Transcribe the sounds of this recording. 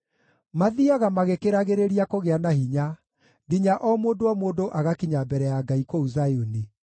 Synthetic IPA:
maðiaɣamaɣekeɾaɣeɾeɾiakoɣeanaɦiɲa | ɣiɲaʔɔmoːndoɔmoːndoʔaɣakiɲabɛɾɛjaɡaikwouzajoni

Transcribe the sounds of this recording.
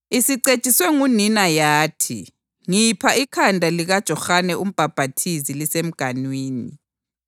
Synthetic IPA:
isiǀet͡ʃʼiswɛŋuninajaːtʰḭ | ŋipʰaʔikʰandʱaliɣad̥ʒ̥ʱɔxanɛʔum̩b̥ʱab̥ʱatʰizilisem̩ɡ̥ʱanwiːni

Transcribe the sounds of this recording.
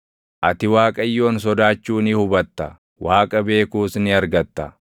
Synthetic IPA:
ʔɐt̪ɪwaːkʼɐjːo̞ːns̬ɔd̪aːt͡ʃːuːnɪhʊbɐt̪ːɐ | wʔaːkʼɐbe̞ːkuːsnɪɐɾɡɐt̪ːɐ

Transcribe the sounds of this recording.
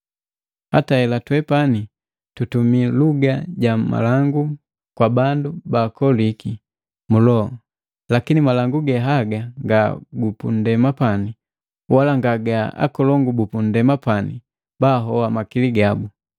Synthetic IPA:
hataɛlatwɛpani | tutumiluɡaɟama̰laŋɡu | kwabandubaːkɔliki | mulɔɔ | lakinimalaŋɡuɡɛɦaɡaŋɡaɡupṵn̩dɛmapani | walaŋɡaɡaa̰kɔlɔŋɡubupun̩dɛmapanḭ | baːɦɔwamakiliɡabu

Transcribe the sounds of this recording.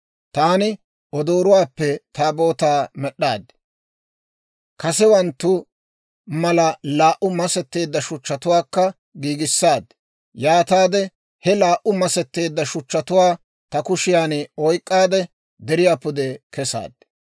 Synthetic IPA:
t̪aːnɪ | ɔd̪o̞ːɾʊwaːpːɛt̪aːbo̞ːt̪aːmɛɗːa̰ːd̪ɛ̥ | kɐsɛwɐnt̪ːʊ | mɐlɐlaːʔʊmɐsɛt̪ːe̞ːd̪ːɐʃʊt͡ʃːɐt̪ʊwaːkːɐ | ɡiːɡɪsːaːd̪ | jaːt̪aːd̪ɛ | hɛlaːʔʊmɐsɛt̪ːe̞ːd̪ːɐʃʊt͡ʃːɐt̪ʊwaː | t̪ɐkʊʃɪjaːnɔjkʼːaːd̪ɛ | d̪ɛɾɪjaːpːʊd̪ɛkɛsa̰ːd̪̥

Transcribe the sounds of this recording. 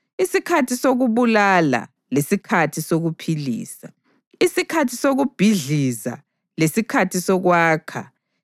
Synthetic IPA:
isikʰatʰisoɣuβulala̰ | lesikʰatʰisoɣupʰilḭːsa | isikʰatʰisoɣub̥ʱiɮiza̰ | lesikʰatʰisɔɣwaːkʰa̰

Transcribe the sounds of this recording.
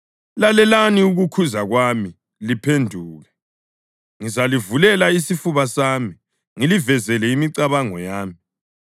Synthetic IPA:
lalɛlaniuɣukʰuzaɣwami | lipʰendʱuːɣɛ | ŋizalivulɛlaisifuβasaːmi | ŋilivɛzɛlɛimiǀaβaŋɔ̰jaːmi

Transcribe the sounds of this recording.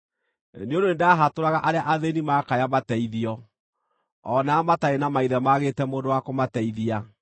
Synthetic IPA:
neondoendeaɦatoɾaɣaʔaɾeaʔaðenimaːkajamatɛiðiɔ | ɔnaːmataenamaiðɛmaɣeːtɛmoːndowakomatɛiðia

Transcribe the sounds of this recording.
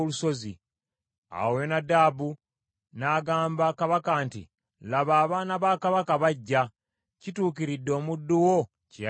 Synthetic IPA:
luso̞zḭ | a̰we̞nadaːbu | naːɡaːmbakaβakaːntḭ | laβaːβaːnaβaːkaβakaβaɟːa | cituːkiɾidːo̞ːmudːuwo̞ | ceja

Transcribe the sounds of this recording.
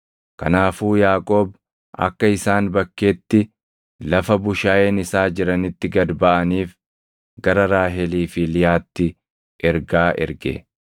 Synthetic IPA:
kɐnaːfuːjaːkʼo̞ːb | ɐ̰kːɐɪsaːnbɐkːeːt̪ːɪ | lɐfɐbʊʃaːjeːnɪsaːd͡ʒɪɾɐnɪt̪ːɪɡɐd̪bɐʔɐniːf | ɡɐɾɐɾaːɦɛliːfilɪjaːt̪ːɪ | ʔɛɾɡaːʔɛ̰ɾɡḛ

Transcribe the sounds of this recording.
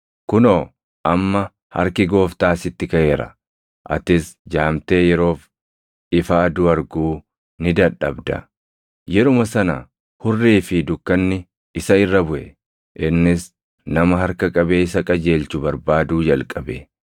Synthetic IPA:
kʊnoː | ʔɐmːɐ | hɐ̰ɾkɪɡo̞ːft̪aːsɪt̪ːɪkɐʔe̞ːɾɐ̰ | ʔɐ̰t̪ɪsd͡ʒaːmt̪e̞ːjɛɾo̞ːf | ɪfaːd̪ʊɐɾɡuː | nɪd̪ɐᶑːɐbd̪ɐ̰ | jɛɾʊmɐsɐnɐ̰ | hʊrːiːfɪd̪ʊkːɐnːɪ | ɪsɐɪrːɐbʊʔɛ | ʔɪnːɪs | nɐmɐɦɐɾkɐkʼɐbeːɪsɐkʼɐd͡ʒe̞ːlt͡ʃʊbɐɾbaːd̪uːd͡ʒɐlkʼɐbɛ

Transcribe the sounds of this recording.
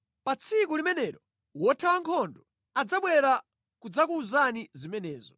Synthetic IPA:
pat͡sʰikulimɛnɛɾɔ | wɔtʰawaŋkʰɔndɔ | ad͡zaɓwɛɾa | kud͡zakuːzanizimɛnɛːzɔ

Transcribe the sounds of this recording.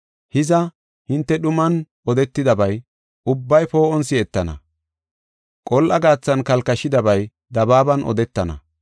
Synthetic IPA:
hɪzɐ | hɪnt̪ːɛɗʊmɐnʔɔd̪ɛt̪ːɪd̪ɐbɐj | ʔʊbːɐjpo̞ːʔɔnsɪɛt̪ːɐnɐ̰ | kʼɔlʔɐɡaːt͡sːɐnkɐlkɐʃːɪd̪ɐbɐj | d̪ɐbaːbɐnʔɔ̰d̪ɛt̪ːɐnɐ̰

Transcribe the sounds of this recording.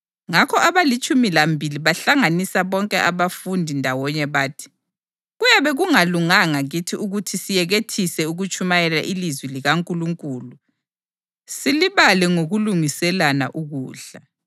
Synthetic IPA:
ŋakʰɔaβalit͡ʃʼumilambʱiliβaɬaŋanisaβɔŋkʼɛʔaβafundʱindʱawɔɲɛβaːtʰi̥ | ɣujaβɛɣuŋaluŋaŋaɣitʰiuɣutʰisijɛɣetʰisɛuɣut͡ʃʼumajɛla̰ʔilizwiliɣaŋkʼuluŋkʼuːlu | siliβalɛŋoɣuluŋisɛlana̰ʔuɣuːɬa

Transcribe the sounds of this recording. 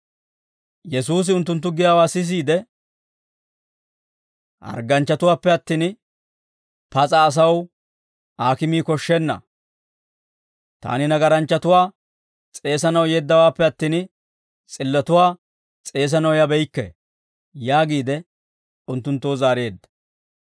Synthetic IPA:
jɛs̬uːs̬ɪʊnt̪ːʊnt̪ːʊɡɪjaːwaːsɪs̬iːd̪ɛ | ʔɐ̰ɾɡɐnt͡ʃːɐt̪ʊwaːpːɛɐt̪ːiːn | pɐt͡sʼɐːs̬ɐw | ʔaːkɪmiːkɔʃːɛnːɐ̰ | t̪a̰ːnɪnɐɡɐɾɐnt͡ʃːɐt̪ʊwaː | t͡sʼe̞ːsɐnɐwjɛd̪ːɐwaːpːɛɐt̪ːiːn | t͡sʼɪlːɐt̪ʊwaː | t͡sʼe̞ːs̬ɐnɐwjɐbɛjkːɛ̰ | jaːɡiːd̪ɛ | ʊnt̪ːʊnt̪ːoːzaːɾe̞ːd̪ːɐ̥

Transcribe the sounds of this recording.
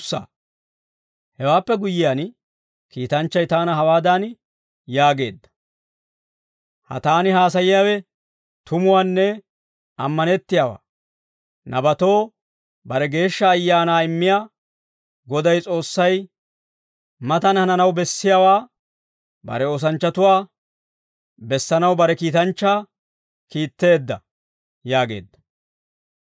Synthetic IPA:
sa̰ | hɛwaːpːɛɡʊjɪjaːn | kiːt̪ɐnt͡ʃːɐjt̪aːnɐɦɐwaːd̪an | jaːɡe̞̰ːd̪ːɐ̥ | hɐ̰t̪aːnɪɦaːs̬ɐjɪjaːwɛ | t̪ʰʊmʊwaːnːɛ | ɐmːɐnɛt̪ːɪjawa̰ː | nʔɐbɐt̪o̞ː | bɐɾɛɡe̞ːʃːɐːjːaːnaːɪmːɪjaː | ɡɔd̪ɐjt͡sʼo̞ːsːɐj | mɐt̪ɐnhɐnɐnɐwbɛsːɪjaːwaː | bɐ̰ɾɛoːs̬ɐnt͡ʃːɐt̪ʊwaː | bɛsːɐnɐwbɐɾɛkiːt̪ɐnt͡ʃːaː | kiːt̪ːe̞ːd̪ːɐ̰ | jaːɡe̞̰ːd̪ːɐ̥

